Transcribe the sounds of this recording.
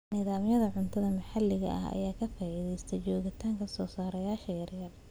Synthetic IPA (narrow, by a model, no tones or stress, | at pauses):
nɪðaːmjɐðɐʕʊnt̪ʰɐðɐmɐħɑlːɪɣɐ̰ʔɐ̰ɦɐ̰jaːkʰɐfaːʔɪðɛjst̪ʰɐt͡ʃɔːɣɪt̪ʰaːŋkʰɐsɔːsaːɾɐjaːʃɐjɐrjɐr